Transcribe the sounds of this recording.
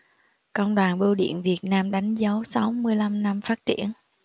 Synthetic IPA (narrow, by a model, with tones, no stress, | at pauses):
kə̰˧˨wŋ͡mɗwaː˨˩nɓi˧wɗḭ˧˨ənvi˨˩ət̚naː˧mɗa˨˦jŋ̟zə˨˦wsa˨˦wmɨ˧əjla˧mna˧mfaː˦˥t̚t͡ɕḭ˧˩ən